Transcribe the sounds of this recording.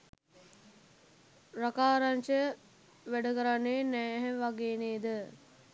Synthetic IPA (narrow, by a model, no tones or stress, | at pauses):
rakaːɾant͡ʃəə | ʋæɖəkəɾanːeːnæːɦɛʋaɡeːneːd̪ə